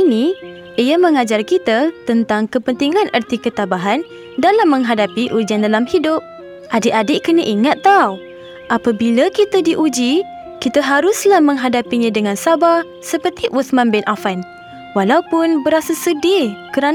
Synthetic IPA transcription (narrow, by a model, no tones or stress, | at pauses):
ini | ijamə̃ŋad͡ʒarkit̪at̪ənt̪aŋkəpənt̪iŋãnʔərt̪ikət̪abaɦan | dalamːə̃ŋɦadapiʔud͡ʒiandalamhidʊp̚ | ʔadɪʔadɪʔkənaʔiŋat̪ːaw | ʔapabilakit̪adiʔud͡ʒi | kit̪aɦaɾʊslahmə̃ŋɦadapiɲãdəŋãnsaba | səpərt̪iʔusmãnbɪnʔafan | walaupʊnbəɾasasədikəɾan